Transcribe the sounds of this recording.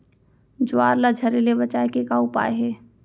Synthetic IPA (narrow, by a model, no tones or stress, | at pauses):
d͡ʒʊaːɾlad͡ʒʱɐɾelebət͡ʃaːekekaːupa̰ːeɦɛː